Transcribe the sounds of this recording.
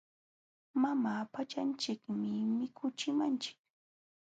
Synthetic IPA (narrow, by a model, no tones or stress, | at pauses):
mamaːpat͡ʃant͡ʃɪkmɪmɪkʰʊt͡ʃɪmant͡ʃɪ̥k̚